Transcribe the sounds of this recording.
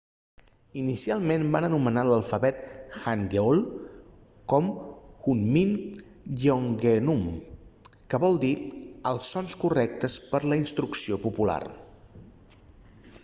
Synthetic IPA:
inisialˠmenbanənumənaləlˠfəβɛt̪xaŋɡeolˠ | kɔmxunmin | joŋɡenum | kəβɔlˠd̪iəlˠsːɔnskurɛk̚t̪əspəɾləinst̪ɾuksiopupula̰r

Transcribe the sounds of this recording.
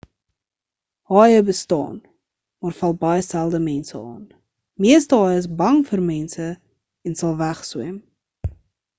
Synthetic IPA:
hɑːjəbəstɑ̰ːn | mɑːrfɐlˠbɐjəsælˠdəmɛnsəɑ̰ːn | miəstəɦɑːjəəs̬bɐŋfərmɛnsə | ɛnsɐlˠvæχsum

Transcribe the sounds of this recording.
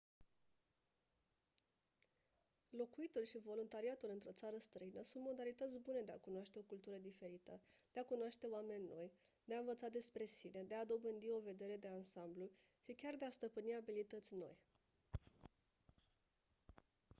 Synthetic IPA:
lo̞kuit̪ulʃivo̞lunt̪aɾiat̪ulɨnt̪ɾo̞t̪saɾəst̪ɾəinəsunt̪mo̞d̪alit̪ət̪sʲbune̞d̪e̞a̰kunoaʃt̪e̞o̞kult̪uɾəd̪ife̞ɾit̪əd̪̥e̞akunoaʃt̪e̞oame̞nʲːo̞̰j | d̪̥e̞aɨnvət̪sad̪e̞spɾe̞sine̞d̪e̞ad̪o̞bɨnd̪io̞ve̞d̪e̞ɾe̞d̪e̞ansamblu | ʃikʲard̪east̪əpɨniabilit̪ət̪sʲno̞̰j

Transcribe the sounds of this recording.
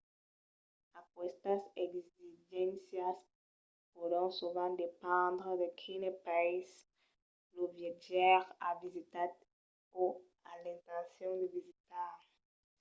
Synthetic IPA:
akwɛst̪asɛɡziʒɛ̃nsjas | poɾɔ̃suvãd̪epɑ̃d̪ʁəd̪ekʰinepais | lovjeʒɛʁavizit̪a | o | alɛ̃nt̪ɑ̃sjɔ̃d̪əvizit̪a

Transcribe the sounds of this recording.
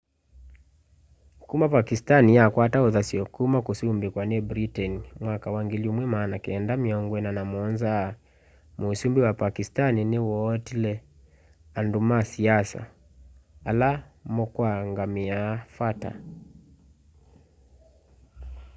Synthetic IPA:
kumapakistanijakwataoðasiɔkumakusumbikwaniɛbɾitɛnimwakawaŋɡilumwɛmanakiɛndamiɔŋɡwɛnanamɔnza | musumbiwapakistaniniwɔtilɛ | andumasiasa̰ː | la | mɔkwaŋɡamiafata̰

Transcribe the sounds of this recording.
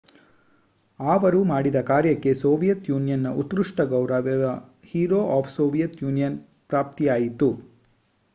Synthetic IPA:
aːʋɐɾumaːɽid̪ɐkaːɾjɐkːe̞soːʋijɐt̪juːnijɐnːɐʔut̪ːɾuʂʈɐɡɐwɾɐʋɛɐ | hiːɾoːʔaːpʰsoːʋijɐt̪juːnijɐn | pɾaːp̚t̪ijaːjit̪u

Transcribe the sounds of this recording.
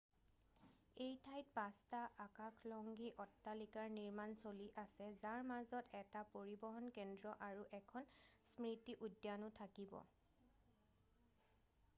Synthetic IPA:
ejtʰajt̚pãstaʔakakʰlɔŋɡiʔɔtːalikaɹniɹmansoliʔasɛzaɹmazɔtɛtapoɹibɔɦɔnkɛndɹɔʔaɹuʔɛkʰɔnsmɹitiʔudːjanʊtʰakibɔ̰

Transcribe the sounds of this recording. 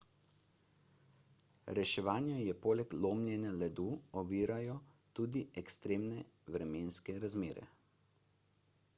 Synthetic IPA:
ɾɛʃɛʋaːnjɔjɛpoːlɛkloːmljɛnjalɛd̪uːɔʋiːɾajɔ | t̪uːd̪iɛkst̪ɾeːmnɛ | ʋɾɛmeːnskɛɾazmeːɾɛ̰

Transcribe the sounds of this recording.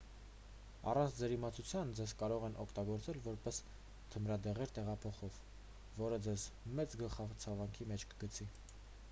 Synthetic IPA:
ɑ̰rɑnt͡sʰd͡zɛɾimɑt͡sʰut͡sʰjɑnd͡zɛzkɑɾɔʁɛnʔɔkʰt̪ɑɡɔɾt͡sɛlvɔɾpɛs | t̪ʰəmɾɑd̪ɛʁɛɾt̪ɛʁɑpʰɔχɔvː | ɔɾəd͡zɛzmɛt͡sɡəlχɑvt͡sʰɑvɑŋkʰimɛt͡ʃʰkə̥ɡət͡sʰi

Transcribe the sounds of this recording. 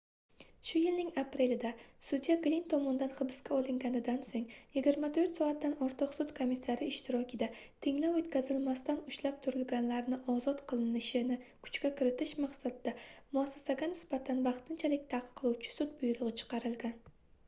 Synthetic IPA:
ʃʊjɪlnɪŋapʰɾe̞lɪd̪asʊd̪ijaɡlint̪ʰɒmɒnd̪anχɨbɪ̥skʲʰaɒlˠɪŋɡʲanɪd̪ansoŋjɪɡʲɪɾmat̪ʰoɾt̪sɒat̪̚ːanɒɾt̪ʰɨqsʊt̪kʰomisːaɾɪɪʃt̪ʰɪɾɒkʲɪd̪at̪ʰɪŋlawot̪kʲazɪlmast̪anʊʃlap̚t̪ʰʊɾɪlɡʲanlaɾnɪʔɒzɒt̪qʰɨlˠɪnɪʃɪnɪkʰʊ̥t͡ʃkʲakʰʲɪɾɪt̪ʰɪʃmaqsad̪ɪd̪amʊasːe̥saɡʲanɪsb̥at̪ʰanvɑχt̪ʰɪnt͡ʃʰalɪk̚ʲt̪ʰaqqʰːɨlˠuwt͡ʃʰɪ̥sʊt̪̚bʊjɾʊʁɨt͡ʃʰɨ̥qʰɑɾɪlɡʲan

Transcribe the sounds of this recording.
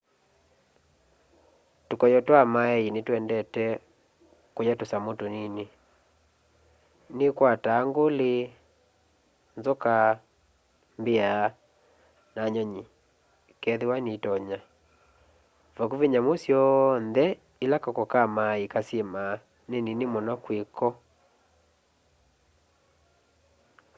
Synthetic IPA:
tokɔjɔtwamaɛinetwɛndɛtɛ | kojatosamotonine | nekwataːŋɡole | nzɔka | mbea | naɲɔɲi | kɛðewanetɔɲa | vɔkuveɲamosjɔnðɛ | ilakakɔkamaikasema | neninemɔnɔkwekɔ

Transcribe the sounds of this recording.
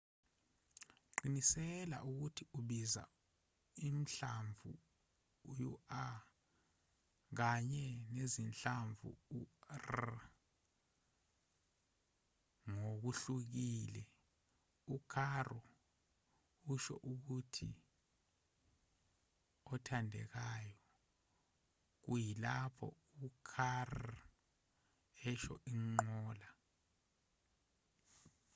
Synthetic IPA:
ǃinisɛla̰ʔuk̬utʰiʔuɓiza̰ | im̩ɬaɱvʱṵː | jṵa | k̬aɲɛnezinɬaɱvʱṵur | ŋok̬uɬuk̬iːlɛ | ukʰarɔ | uʃɔ̰ʔuk̬utʰḭ | ɔtʰandʱɛ̰k̬aːjɔ | k̬ujilapʰɔ̰ | ukʰar | ɛʃɔ̰ʔiŋ͡ǃɔːla

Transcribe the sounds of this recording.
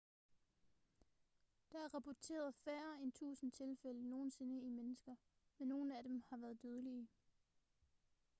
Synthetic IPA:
d̥ɑ̈æɐʁɑ̈pʰɒt͡sʰe̝̰ːɐð̩ˠfæːɐent͡sʰṵːsn̩t͡sʰe̝lfeləno̝ːn̩se̝nəimenəsɡ̥ɐ | menːo̝ːn̩æɾ̥emhɑ̈ʋæːɐðˠd̥øð̞ˠəliə

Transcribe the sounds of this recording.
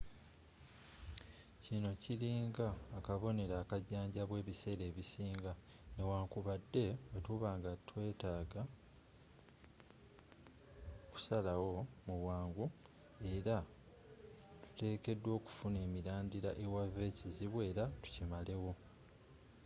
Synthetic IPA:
cino̞ciɾiːŋɡaːkaβo̞ne̞ɾaːkaɟaːɲɟaβwe̞ːβise̞ːɾe̞ːβisiːŋɡa | ne̞waːŋkuβadːe̞wetuβaːŋɡatwe̞ːtaːɡa | ku̥salawo̞muβwaːŋɡu | e̞ɾa | tu̥te̞ːke̞dːwo̞ːku̥fune̞ːmiɾaːndiɾaʔe̞wave̞ːciziβwe̞ːɾatu̥cimale̞wo̞

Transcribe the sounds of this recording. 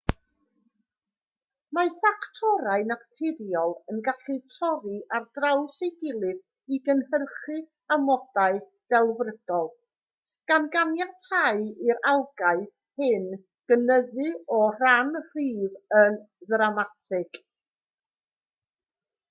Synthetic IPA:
mafaktʰɔɾaɨnaktʰɪɾjɔlˠənɡaɬitʰɔɾiʔardrawsejɡɪlˠɨθ | iɡənhərχɨ | amɔd̥aɨ | d̥ɛlˠvrəd̥ɔlˠ | ɡ̥anɡanjatʰaɨiɾalˠɡaɨθ | hɪn | ɡ̥ənəðɨɔr̥anr̥iːvən | ðramatʰɪɡ̥

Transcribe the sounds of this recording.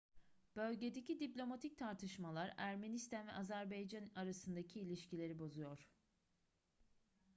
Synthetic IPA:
b̥ø̞lʲɟe̞d̪e̞cid̪iplʲo̞mat̪ʰic̚t̪ʰaɾt̪ʰɯʃmalˠaɾæɾme̞nist̪ʰanvɛʔazæɾbejd͡ʒanaɾasɯnd̪acʰiːlʲiʃcilʲe̞ɾibo̞zujo̞ɾ̝̥

